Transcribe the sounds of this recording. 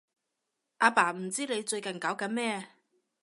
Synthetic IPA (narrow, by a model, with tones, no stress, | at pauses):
ʔaː˨˧paː˨˩m̩˨˩t͡siː˥ne˨˧jt͡ʃɵ˧ɥkɐ˨˩nkaː˨˥wkɐ˨˧˥nmɛː˥